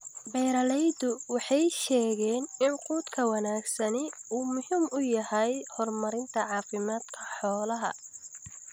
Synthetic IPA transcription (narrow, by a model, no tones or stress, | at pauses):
bɛjɾɐlɛjd̪ʊwɑħɑjʃɛːɣɛːnɪnquːd̪kʰɐwɐnaːɡsɐnɪuːmʊhiːmʊjɐhɐjhɔrmɐɾɪnt̪ʰɐʕɑːfɪmaːd̪̥kʰɐ̥ħɔːlɐɦɐ̰